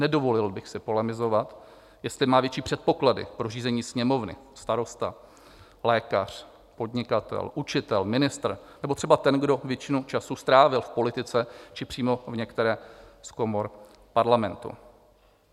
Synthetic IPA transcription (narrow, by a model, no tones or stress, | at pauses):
nɛdo̞vo̞lɪlbɪxsɪpo̞lɛmɪzo̞vat̪ | jɛst̪lɪmaːvjɛt͡ʃiːpr̝̥ɛt̪̚po̞kladɪ̰pɾoriːzɛɲiːsɲɛmo̞vnɪ̰st̪aɾo̞st̪a | lɛːkar̝̥ | po̞dɲɪkat̪ɛ̰lʔut͡ʃɪt̪ɛlmɪnɪst̪r̩nɛbot̪r̝ɛbat̪ɛnɡdo̞vjɛt͡ʃɪnut͡ʃasust̪ɾaːvɪlfpo̞lɪt̪ɪt͡sɛt͡ʃɪpr̝̥iːmo̞vɲɛkt̪ɛɾɛːsko̞mo̞ɾ | paɾlamɛnt̪ṵ